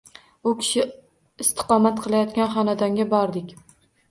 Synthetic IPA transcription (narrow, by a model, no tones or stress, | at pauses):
ʊkʲʰɪ̥ʃɪ | ɪst̪ʰɨ̥qɒmat̪qʰɨlˠajɒt̪kʲanχɒnad̪aŋɡʲabɒɾd̪ɪkʲ